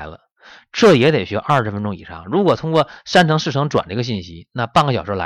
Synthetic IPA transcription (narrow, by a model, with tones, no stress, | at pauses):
ɪlə̰˧ | ʈ͡ʂɤ˥˩jɛ˧˥t̪e˨˩ɪɕɥɛ˧˥ʔɐ˞˥˩ʂɻ̩˧˥fə˥nʈ͡ʂʊ˥ŋḭ˨˩ʂɑ̰˥˩ŋɻu˧˥kwɔ˨˩t̪ʰʊ˥ŋkwɔ˥˩ʂa˥nʈ͡ʂʰɤ˧˥ŋʂɻ̩ʰ˥˩ɤ˧˥ŋʈ͡ʂwa̰˨˩nə˧˥ɡə˧ɕ̬i˥˩nɕi˥na˥˧pɑ˥˩ŋɡə˩ɕjɑ˨˩ʊʂɔ˧˥la̰˧˥